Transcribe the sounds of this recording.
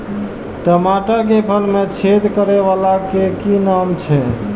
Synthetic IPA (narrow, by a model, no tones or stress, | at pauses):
ʈəmaʈak̬epʰəlmet͡ʃʰed̪kəɾeβalakekinamt͡ʃʰɛ